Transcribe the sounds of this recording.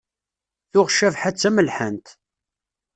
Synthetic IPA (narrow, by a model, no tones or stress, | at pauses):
θʊʁʃævħat͡sːæməlħənt̪